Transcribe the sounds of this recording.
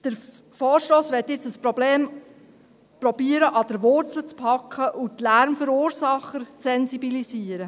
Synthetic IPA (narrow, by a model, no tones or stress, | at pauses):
d̥əɾfoːɾʃtoːsʋɛtːjɪt͡səspɾɔbleːm | pɾɔbiəɾəʔɑd̥əɾʋʊɾt͡sl̩ət͡spʰɑkʰːəʔut̪læɾmfɵɾuːɾsɑχːəɾt͡sɛnsibilisiːəɾə